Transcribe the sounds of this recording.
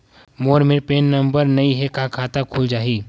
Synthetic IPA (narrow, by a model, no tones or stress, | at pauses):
moːɾmeɾpeːnːɐ̃mbəɾnɐĩɦɛkãkʰaːt̪akʰʊld͡ʒaːiː